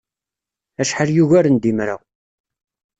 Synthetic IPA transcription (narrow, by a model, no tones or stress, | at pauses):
æʃħəɾjuʝæɾənd̪imɾə̰ʁ